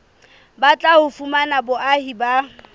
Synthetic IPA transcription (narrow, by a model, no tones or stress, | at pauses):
bat͡ɬʼahʊfumanabʊʔahiba